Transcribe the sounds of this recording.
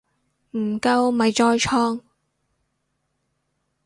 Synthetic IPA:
m̩˨˩kɐ˧wmɐ˨˧jt͡ʃɔː˧jt͡ʃʰɔː˥ŋ

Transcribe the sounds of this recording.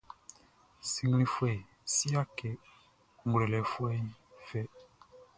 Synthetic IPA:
si˦ŋɡi˦li˦fwɛ˦˨ | si˦a˦ke˨ | ŋɡle˨lɛ˨fwɛ˦i˦fɛ˦

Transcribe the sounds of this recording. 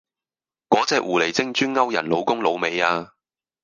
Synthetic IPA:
kɔː˨˥t͡sɛː˧k̚wʔuː˨˩le˨˩jt͡sɪ˥ŋt͡ʃyː˥nŋɐ˥wjɐ̰˨˩nlo˨˧wkʊ˥ŋlo˨˧wme˨˧jaː˧

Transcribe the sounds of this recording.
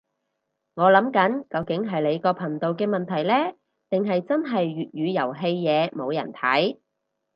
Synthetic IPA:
ŋɔː˨˧lɐ˨˥mkɐ˨˥nkɐ˨˧wkɪ˨˥ŋɦɐ˨jle˨˧jkɔː˧pʰɐ˨˩nt̪o˨wkɛː˧mɐ˨nt̪ʰɐ˨˩jlɛː˥ | t̪ɪ˨ŋɦɐ˨jt͡sɐ˥nɦɐ˨jːyː˨t̚jyː˨˧jɐ˨˩wɦe˧jjɛː˨˧mo˨˧wjɐ̰˨˩nt̪ʰɐ˨˥j

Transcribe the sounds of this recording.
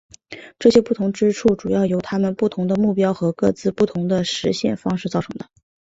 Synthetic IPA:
ʈ͡ʂɤ˥˩ɕjɛ˥pu˥˩t̪ʰʊ˧˥ŋʈ͡ʂɻ̩˥ʈ͡ʂʰu˥˩ʈ͡ʂu˨˩jɑ˥˩ʊjo˧˥ʊt̪ʰa˥mə˨npu˥˩t̪ʰʊ˧˥ŋd̪ə˧mu˥˩pjɑ˥ʊxɤ˧˥kɤ˥˧t͡sɹ̩˥˧pu˥˩t̪ʰʊ˧˥ŋd̪ə˧ʂɻ̩˧˥ɕjɛ̰˥˩nfɑ˥ŋʂɻ̩˥˧t͡sɑ˥˩ʊʈ͡ʂʰɤ˧˥ŋd̪ə˧˩

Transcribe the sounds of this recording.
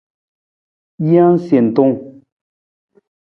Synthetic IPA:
jã˦n̩˦sje˨n̩˨to˦ŋ

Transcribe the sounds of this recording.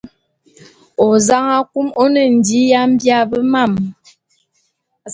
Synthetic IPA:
o˨za˦ŋa˦ku˦mo˦nə˨n̩˨di˨˦ja˦m̩˦bja˦˨bə˦ma˦˨m

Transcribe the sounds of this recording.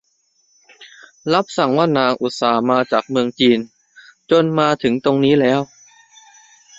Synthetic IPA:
la˦˥p̚sa˨˩˦ŋwaː˥˩naː˧ŋʔu˨˩t̪̚saː˩˦maː˧t͡ɕaː˨˩k̚mɯ˧əŋt͡ɕiː˧n | t͡ɕo˧nmaː˧t̪ʰɯ˩˦ŋt̪o˧ŋniː˦˥lɛː˦˥w

